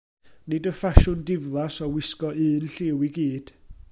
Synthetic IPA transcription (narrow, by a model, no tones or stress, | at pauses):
nɨdəfaʃʊndɪvlˠasɔwɪskɔʔɨːnɬɪwiɡiːd̥